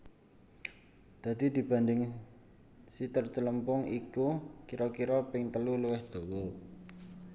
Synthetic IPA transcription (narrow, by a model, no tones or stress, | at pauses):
d̪̥ä̤d̪̥id̪̥i̤b̥ä̤nd̪ɪŋ | sit̪ərt͡ʃələmpʊŋikukiɾɔkiɾɔpɪŋt̪əluluwɪhd̪̥o̤wɔ